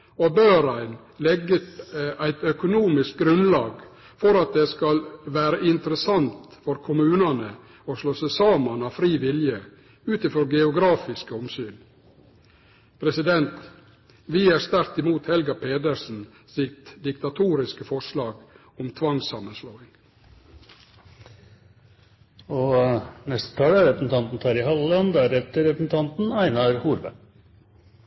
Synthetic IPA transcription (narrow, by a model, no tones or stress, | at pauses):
ɔbøːɾæɪn | lɛɡət̪æɪt̪œkʊnuːmɪsk̚ɡɾʉnlɑːɡ | fɔɾɑt̪̚d̪eskɑlʋæːɾəʔɪnt̪əɾəsɑnt̪fɔɾkʰʊmʉːnɑnə | ɔslɔsəsɑːmɑnɑʋfɾiːʋɪljə | ʉːt̪ɪfɾɔɡɛʊɡɾɑːfɪskəɔmsyːn | pʰɾɛsɪd̪ɛnt̪ | ʋiːæːɾst̪æɾt̪ɪmuːt̪hɛlɡɑpʰeːd̪əɾsn̩ | sɪt̪d̪ɪkt̪ɑt̪ʰuːɾɪskəfɔʂlɑːɡ | ɔmt̪ʰʋɑŋsɑmənsloːɪŋ | ɔnɛst̪ə̥t̪ʰɑːlæɾɛpəsn̩t̪ɑnt̪n̩t̪ʰɑːɾɪhɑləlɑnd̪æɾɛt̪ːəɾɛpsn̩t̪ʰɑnt̪n̩æɪnɑɾhuːɾbæ̰